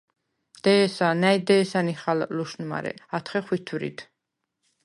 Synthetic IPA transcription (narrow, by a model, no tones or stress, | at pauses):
d̪̥ɛːsanajd̪ɛːsaniχalluʃnma̰ɾɛ̰at̪ʰχɛχwit̪ʰuɾḭd̪